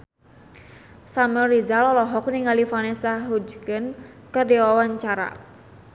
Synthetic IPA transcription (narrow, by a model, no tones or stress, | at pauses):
samərizalɔlɔɦɔk̚niŋalifanesaɦud͡ʒkən | kɨrdiwawaɲt͡ʃaɾa̰